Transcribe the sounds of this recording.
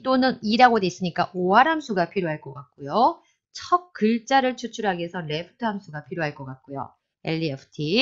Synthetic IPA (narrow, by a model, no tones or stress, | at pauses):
t͈onɯniɾaɡodes͈ɯɲik͈aʔoaɾamsʰuɡapʰiɾjoɦaɭk͈ʌk͈ak̚k͈ojo | t͡ɕʰʌk̚k͈ɯɭt͡ɕ͈aɾɯɭt͡ɕʰut͡ɕʰuɾɦaɡesʰʌne̞pʰɯ̥tʰɯɦamsʰuɡapʰiɾjoɦaɭk͈ʌk͈ak̚k͈ojo̰ | e̞̰ʎːiepʰɯ̥tʰi